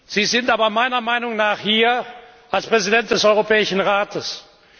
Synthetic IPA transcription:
z̥iːzɪntʔaːbɐmaɪnɐmaɪnʊŋnaːχhiːɐ | ʔalspʁ̥ɛzidɛnt̚d̥ɛsɔʏʁopɛːɪʃn̩ʁaːtʰəs

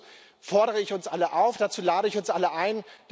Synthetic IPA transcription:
fɔɐɾəʁ̞əɪçʊnsʔaləʔaʊfd̥at͡suːlaːɾəɪçʊnsʔaləʔaɪnd̥

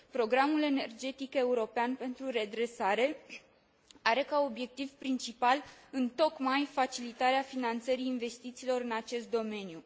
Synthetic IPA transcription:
pɾo̞ɡɾamule̞ne̞rd͡ʒe̞t̪ike̞uɾo̞peanpe̞nt̪ɾuɾe̞d̪ɾe̞saɾe̞ | aɾe̞kao̞bje̞k̚t̪ivpɾint͡ʃipalɨnt̪o̞kmajfat͡ʃilit̪aɾeafinant̪səɾiːnve̞st̪it̪siːlo̞ɾɨnat͡ʃe̞st̪̚d̪o̞me̞nju

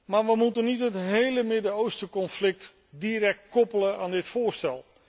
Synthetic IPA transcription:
maːɹʋəmutənitɦətɦejləmɪdəowstəkɔnflɪk̚t | diːɾɛk̚tkɔpələnaːndɪtfʊːɹstɛlˠ

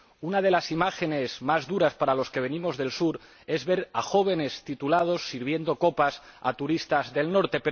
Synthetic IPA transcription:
unaðe̞lasimaxe̞ne̞zmazðuɾaspaɾalo̞ske̞β̞e̞nimo̞zðe̞lsuɾ | e̞zβe̞ɾaxo̞β̞e̞ne̞st̪it̪ulað̞o̞sːiɾβ̞je̞nd̪o̞ko̞pasa̰t̪uɾist̪azðe̞lno̞ɾt̪e̞pe

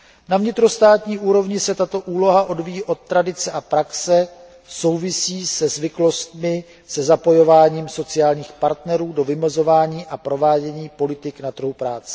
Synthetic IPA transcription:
navɲɪt̪ɾo̞st̪aːt̪ɲiːʔuːɾo̞vɲɪsɛt̪at̪o̞ʔuːlo̞ɦaʔo̞dvijiʔo̞t̪̚ːɾadɪt͡sɛʔapɾaksɛ | so̞wvɪsiːsɛzvɪklo̞st̪mɪ | sɛzapo̞jo̞vaːɲiːmso̞t͡sɪjaːlɲiːxpaɾt̪nɛɾuːdo̞vɪmɛzo̞vaːɲiːʔapɾo̞vaːɟɛɲiːpo̞lɪt̪ɪknat̪r̩ɦupɾaːt͡sɛ̥

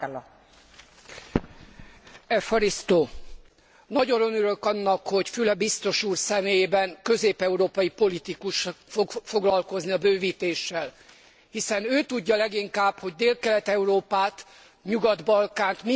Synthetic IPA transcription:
ɛfoɾist̪oː | nɒɟo̞nønøɾø̞kɒnːɒkho̞ɟfylɛbist̪o̞ʃuːrsɛmeːjeːbɛŋkø̞zeːpɛuɾoːpɒjipo̞lit̪ikuʃfoɡfo̞ɡlɒlko̞zniɒbøːviːt̪eːʃːɛl | hisɛnøːt̪uɟːɒlɛɡiŋkaːbho̞ɟd̪eːlkɛlɛt̪ɛuɾoːpaːt̪ | ɲuɡɒd̪bɒlkaːnt̪mi

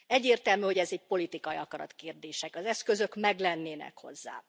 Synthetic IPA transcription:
ɛɟːeːrt̪ɛlmyːho̞ɟɛzɛc̚po̞lit̪ikɒjiɒkɒɾɒ̰t̪keːrd̪eːʃɛkɒzɛskø̞zø̞kmɛɡlɛnːeːnɛ̰kho̞̰zːa̰ː

